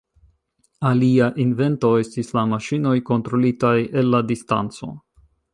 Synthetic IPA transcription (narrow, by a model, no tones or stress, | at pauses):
aliaʔinve̞nto̞e̞stislamaʃino̞jko̞ntɾo̞litaje̞lːadista̰nt͡so̞̰